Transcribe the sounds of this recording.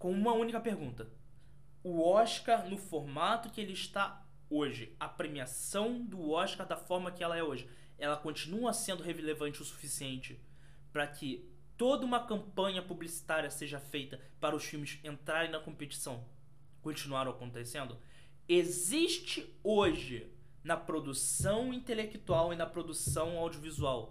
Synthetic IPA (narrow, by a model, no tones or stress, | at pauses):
kõũmɐũnikɐpeɾɡũnt̪ɐ | ʊɔʃkaɾnʊfoɾmat̪ʊkɪelɪɪʃt̪a | oʒɪɐpɾemiasɐ̃w̃d̪ʊɔʃkaɾd̪ɐfɔɾmɐkɪɛlɐɛoʒɪ | ɛlɐkõt͡ʃinuɐsẽnd̪ʊɦevelevɐ̃nt͡ʃɪʊsu̥fisiẽnt͡ʃɪ | pɾɐkʰɪ | t̪od̪ɐũmɐkɐ̃mpɐ̃ɲɐpublisi̥t̪aɾiɐseʒɐfejt̪ɐ | paɾɐʊʃfiwmɪsẽnt̪ɾaɾẽj̃nɐkõpet͡ʃi̥sɐ̃w̃ | kõt͡ʃinuaɾ̃akõnt̪esẽnd̪ʊ | eziʃt͡ʃɪ | oʒɪ | nɐpɾod̪usɐ̃w̃ĩnt̪elekt̪uawɪnɐpɾod̪usɐ̃w̃awd͡ʒiovizuaw